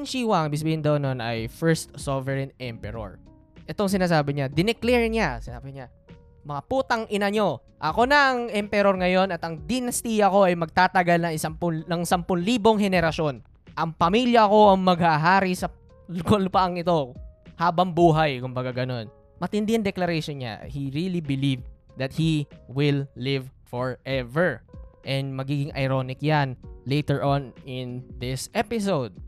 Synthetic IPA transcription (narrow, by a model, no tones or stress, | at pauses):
ŋʃiːwɐŋʔɪmbɪɡs̬ɐbiːhɪnd̪ɐʔononɐ̰jfɛɹst̪sovɛɹɛnɛmpɛɾo̰ɹ | ʔɛt̪oŋs̬ɪnaːs̬aːbɪɲad̪ɪnɛklɛɹɲasɪna̰ːbɪɲa | mɐŋapuːt̪ɐŋʔɪnɐɲo̞ | ʔɐko̞nɐʔɐŋʔɛmpɛɾo̞ɾŋɐjo̞nɐt̪ɐŋd̪ɪnɐst̪ijɐko̞ʔɐjmɐɡ̚t̪aːt̪ɐɡalnɐŋɪsɐmpʊnɐŋsampʊnliːbo̞ŋɦɛnɛɾɐʃo̞n | ʔɐŋpɐmiljɐɐko̞ʔɐŋmɐɡ̚haɦaːɾisɐ | lʊkolpɐʔɐŋɪt̪o̞haːbɐŋbuːɦɐjkʊmbɐɡaɡɐno̞n | mɐt̪ɪnd̪ɪɐŋd̪ɛklɐɾɛjʃonɲa̰hiɹilibɪliv | d̪ɐt̪̚hiwɪlːɪvfɔɹʔɛvɛɹʔɛnd̪mɐɡiːɡɪŋʔɐ̰jɾo̞nɪkjanlejt̪ɛɹʔonʔɪnd̪ɪsɛpɪs̬owd̪̚